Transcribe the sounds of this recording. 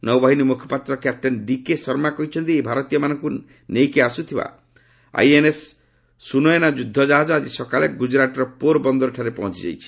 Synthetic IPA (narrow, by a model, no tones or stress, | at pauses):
nɔwbaɦinimukʰjɔ̥pat̪ɾɔkjap̚ʈenɖikesɔɾmakɔɦit͡ʃʰɔnt̪iebʱaɾɔt̪ijɔmanɔŋku | nejkeasut̪ʰiba̰ | a̰jenesː | unɔjɔnad͡ʒud̪ʱːɔd͡ʒaɦad͡ʒɔad͡ʒisɔkaleɡud͡ʒɾaʈɔɾɔpoɾbɔnd̪ɔɾɔʈʰaɾepɔɦɔ̃t͡ʃid͡ʒa̰jt͡ʃʰi̥